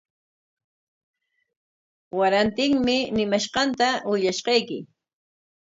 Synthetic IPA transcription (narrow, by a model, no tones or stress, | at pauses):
waɾant̪ɪŋmɪnɪmaʃqɑnt̪awɪʎaʃqɑjkɪ